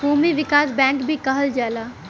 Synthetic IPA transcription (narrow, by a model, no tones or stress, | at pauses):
ɦuːmiʋɪkaːsbɛ̃ːŋkbʱikɐɦəld͡ʒaːlaː